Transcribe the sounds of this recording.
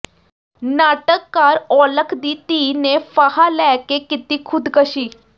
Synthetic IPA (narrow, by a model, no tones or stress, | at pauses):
naʈəkːaɾɔləkʰd̪it̪inefaɦalɛkekit̪iːkʰud̪kəɕiː